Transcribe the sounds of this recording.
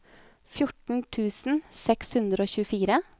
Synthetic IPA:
fjʊʈɳ̩t̪ʰʉːsn̩sɛkshʉnd̪ɾəoːçʉːfiːɾə

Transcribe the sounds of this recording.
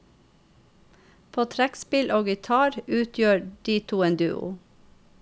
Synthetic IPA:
pʰoːt̪ʰɾækspɪlʔoːɡɪt̪ʰɑːɾʉːt̪ʰjøːɖiːt̪ʰuːeːnd̪ʉ̰ːʊ̰

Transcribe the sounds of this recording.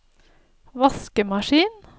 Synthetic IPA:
ʋɑskəmɑʃiːn

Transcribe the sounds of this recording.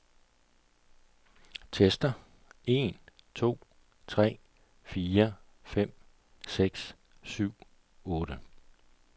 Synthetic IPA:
t͡sʰesd̥ɐ | e̝ːn | t͡sʰo̝̰ː | t͡sʰʁɛ̰ː | fiːɐ | fem̰ | seɡ̥s | syʊ̰ | ɔ̽ːɾ̥ə

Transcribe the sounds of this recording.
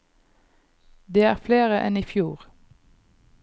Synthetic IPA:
d̪eːæːʁfleːʁəʔɛniːfjuːʁ

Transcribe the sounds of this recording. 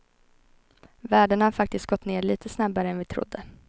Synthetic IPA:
væːɖəɳahaɾfak̚t̪ɪst̪̚ɡ̥ɔt̪ːneːɭiːt̪ʰəsnabːaɾəɛnvɪt̪ʰɾʊ̰d̪ːə

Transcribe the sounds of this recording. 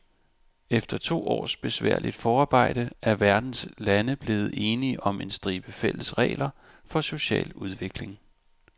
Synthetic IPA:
efd̥ɐt͡sʰo̝̰ːɒ̰ːsb̥e̝sʋæ̰ɐ̰lid̥fɒːɑ̈ːb̥ɑ̈ɪ̰d̥əæɐʋæɐd̥n̩slænəb̥le̝ːð̞̩ˠe̝ːniʔɒ̽me̝nsd̥ʁiːb̥əfel̰əsʁɛ̰ːlɐ | fɒ̽so̝ɕɛ̰ːluð̞ˠʋe̝ɡ̥le̝ŋ

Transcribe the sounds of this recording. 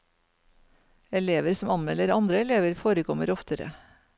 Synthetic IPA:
ɛleːʋəɾsɔmɑnmɛləɾɑnd̪ɾəɛleːʋəɾfoːɾəkʰɔməɾɔft̪əɾə̰

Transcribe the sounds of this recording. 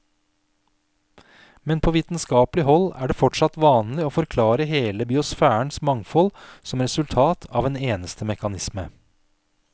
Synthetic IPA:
mɛnpʰoːʋiːt̪n̩skɑːplɪɦɔlæ̰ːɖeːfɔʈʂɑt̪ʋɑːnlɪoːfɔɾkʰlɑːɾəɦeːləbɪʊsfæːəɳsmɑŋfɔlsɔmɾɛsʉlt̪ʰɑːt̪ʰɑːʋeːneːnəst̪ʰəmɛkɑnɪsmə

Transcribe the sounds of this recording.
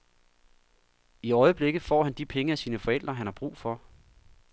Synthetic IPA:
iɒ̽ɪəb̥le̝ɡ̥ð̩ˠfɒ̰ːɦænd̥ipʰeŋəæsiːnəfɒ̽el̰d̥ʁɐɦænhɑ̈b̥ʁṵːfɒ̽

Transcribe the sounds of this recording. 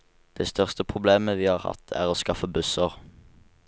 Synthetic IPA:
d̪̥ɛst̪ʰœʁst̪əpʰʁʊbleːməʋiːhɑːʁhɑ̰t̪ʰæ̰ːʁoːskɑfəbʉsəʁ

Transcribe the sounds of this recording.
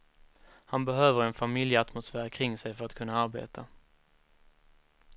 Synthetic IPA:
hanbɛɦøːvəɾɛnfamɪljəat̪mʊsfæːɾkʰɾɪŋːsɛjfœɾat̪kʰɵnːaaɾbḛːt̪ʰa

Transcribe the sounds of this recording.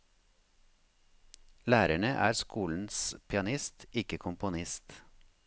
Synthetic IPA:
læːɾæɳəʔæ̰ːɾskuːln̩spʰɪɑnɪst̪ɪkəkʰʊmpʊnɪst̪

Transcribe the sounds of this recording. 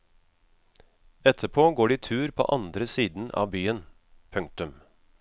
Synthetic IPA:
ɛt̪ʰəpʰoːɡoːɖiːt̪ʰʉːɾpʰo̰ːʔɑnd̪ɾəsiːd̪n̩ʔɑ̰ːʋbyːən | pʰʉŋk̚t̪ʉm

